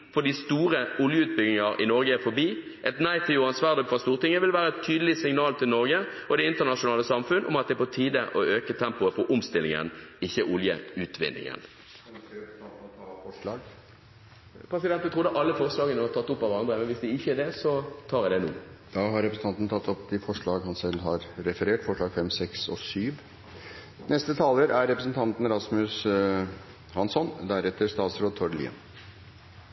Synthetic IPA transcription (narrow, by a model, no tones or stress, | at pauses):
fɔd̪ist̪uːɾəʊljəʉːt̪̚bʏɡnɪŋɑɾɪ̰nɔɾɡəæfɔbiː | ʔɛt̪næɪt̪ʰːɪjʊɑnsʋɑːʁd̪ɔpfʁɑst̪uːʁt̪ɪŋːəʋɪlʋæːɾəɛt̪ʰyːd̪əlɪsɪŋnɑːlt̪ʰɪlnɔɾɡəɔd̪ɛɪnt̪əʁnɑʂʊnɑːləsɑmfʉnʔʊ̰mɑt̪̚d̪ɛpɔt̪ʰiːd̪əʔɔøːkət̪ʰɛmpʊəfɔʔʊmst̪ɪlːɪ̰ŋə̰nɪçːəʔʊljə̰ʉːt̪ʰʋɪ̰nːɪ̰ŋə̰n | ɔlɑːɡ | pʰɾɛsɪd̪ɛnt̪ət̪ʁʊd̪əʔɑlːəfɔʁslɑːɡənəʋɑt̪ʰɑt̪ːʊpːɑʋəɾɑnd̪ɾəmɛnʋɪsd̪ɪɪçːədɛsɔt̪ʰɑːɾɛd̪ɛnṵːd̪̥ɑːɦɑɾɛpɾəsn̩t̪ɑnn̩t̪ʰɑt̪ːɔp̪ːɪfɔʂɭɑːɡhɑnsɛɦɑɾɾɛfəɾeːʈfɔʂɭɑːɡfɛmsɛksɔ̰syːʋ | nɛst̪ət̪ʰɑːləɾæɾːɛpɾəsnt̪ʰɑnt̪n̩ɾɑsmʉs | hɑnsɔnd̪æɾɛt̪ːəɾʂt̪ɑːt̪sɾoːd̪̚t̪ʰɔɾəlḭːə̰n